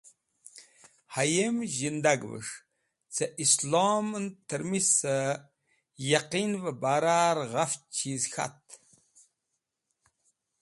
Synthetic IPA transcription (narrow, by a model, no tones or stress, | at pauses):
hajemʒind̪aɡvɨ̰ʂ | t͡sʰɐʔislɔmɨnt̪ʰɨɾmisə | jaqinvəbaɾaɾʁaft͡ʃʰizxa̰t̪